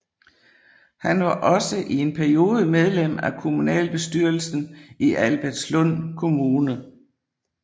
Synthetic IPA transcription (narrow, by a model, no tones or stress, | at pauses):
hænʋɑ̈ʔɒ̽səʔie̝npʰæɐio̝ːð̞ˠəmeð̞ˠlem̰ækʰo̝munɛ̰ːlb̥e̝sd̥yɐl̩sn̩iʔælb̥æɐd̥slɔn̰kʰo̝muːnə